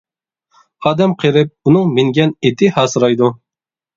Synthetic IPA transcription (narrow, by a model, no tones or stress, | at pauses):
ɑːd̪ɛmqʰeɾɪp̚unɨŋmɪŋɡʲɛnet̪ʰɪhɑːsɨɾɑjd̪u